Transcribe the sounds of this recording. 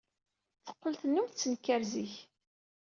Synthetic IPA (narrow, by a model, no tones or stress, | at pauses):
θə̥qːəlθənːumθt͡sːənkːæɾziç